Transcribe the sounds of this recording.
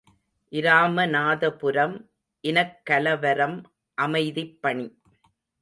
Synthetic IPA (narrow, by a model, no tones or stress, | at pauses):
ʔɪɾaːmɐnaːðɐpʊɾɐm | ʔɪnɐkːɐlɐʋɐɾɐm | ʔɐmɐɪðɪpːɐɳi